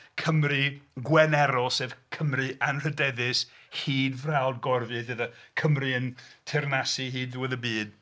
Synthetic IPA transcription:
kʰəmriɡwɛnɛɾɔseːvkʰəmrɨʔanr̥ədɛðɪshiːdvrawˠdɡɔrvɨðəðakʰəmriəntʰɪrnasiɦiːdðɪwəðəbiːd̥

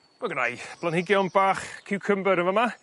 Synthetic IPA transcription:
maɡənajb̥ʰlˠanhɪɡjɔnbaːχkʰɪwkʰəmbəɾənvɔma

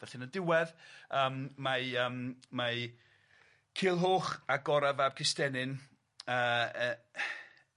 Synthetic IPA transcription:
vɛɬɪnədɪwɛðəːmmaəːmma | kʰɪːlˠɦoːχaɡɔɾavab̚kʰɪstɛnɨn | əːə

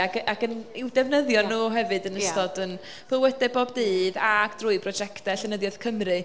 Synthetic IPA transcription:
aɡaɡənɪwdɛvnəðjɔnːuːɦɛvɨdənəstɔdən | b̥əwɛdɛboːbdiːðakd̥rʊːɨbʰrɔd͡ʒɛktɛɬənəðjɔð̥kʰəmrɨ

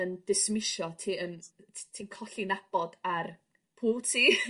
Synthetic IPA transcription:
ənd̥ɪsmɪʃɔtʰiːəntʰiːkʰɔɬinab̥ɔdar | pʰuːlˠtʰiː

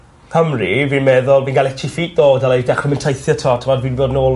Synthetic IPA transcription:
kʰəmriviːnmɛðʊlˠviːnɡalˠɛtʰifiːt̚d̥oːdalˠedɛχrəmɛntʰejθjətʰɔtʰəmɔdviːnboːdnoːl

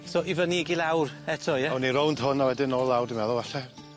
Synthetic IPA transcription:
sɔʔivəniɡilˠawrɛtʰɔjɛwniɾɔwnd̥ɦʊnawɛdɪnɔːlˠawrdimɛðʊvaɬɛ

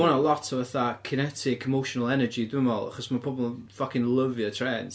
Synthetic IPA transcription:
ɔnəlˠɔtʰəvəθakʰɪnɛtʰɪkʰɛmowʃɔnəlˠɛnəd͡ʒidɪmɔlˠa̰χɔsmapʰɔbɔlˠənfakɪ̃nlˠəvjətʰrɛːns

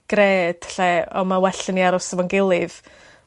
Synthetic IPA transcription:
ɡ̥reːd̥ɬɛɔmawɛɬəniaɾɔsəvɔnɡɪlˠɪv̥

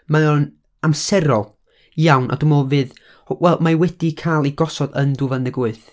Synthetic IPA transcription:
maɔn | amsɛɾɔlˠ | jawnʔa̰dumolˠvɨð | wɛlˠmawɛd̥ikʰajlˠiɡɔsɔdənduvanðɪɡʊɨθ

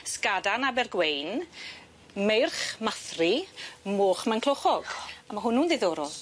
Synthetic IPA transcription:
skadanabɛrɡwejn | mejrχmaθrimoːχmankʰlˠoχɔɡ̥amaɦʊnuːnðeðoːɾɔlˠ

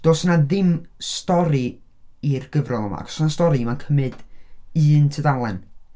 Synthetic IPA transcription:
d̥oːsnaðɪmstɔɾi | irɡəvrɔnˠəma̰kʰɔ̥snastɔɾimankʰəmɨd̥ɨːntʰədalˠɛn

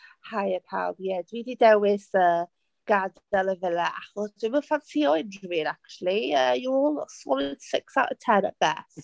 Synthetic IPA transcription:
hajəpʰa̰wbjɛdwididɛwɪsəː | ɡ̥ad | ɛlˠəvɪlɛʔaχɔsd̥wiməfansiɔɪnwiɾak̚t͡ʃulˠiəːjɔɔlˠswɔldsɪksawʔətʰɛnə̰ʔb̥ɛ̰s

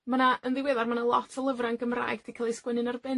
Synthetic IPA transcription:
manaʔənðɪwɛðarmanəlˠɔtʰəlˠəvranɡəmra̰ːjɡdikʰalˠijskwɛnɨnarbɪ

